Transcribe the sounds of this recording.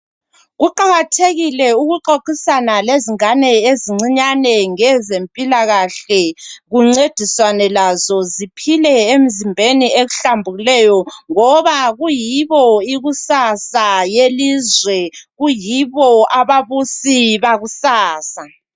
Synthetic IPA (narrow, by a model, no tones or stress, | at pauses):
ɣuǃaɣatʰeɣilɛuɣuǃoǃisanaleziŋanɛeziŋ͡ǀiɲanɛŋɛzempʼilaɣaɬɛɣuŋ͡ǀed̥ʱiswanɛlazɔzipʰilɛem̩zimbʱenieɣuɬambʱuɣilɛjɔŋɔβaɣujiβɔiɣusasajelizwɛɣujiβɔaβaβusiβaɣusaːsa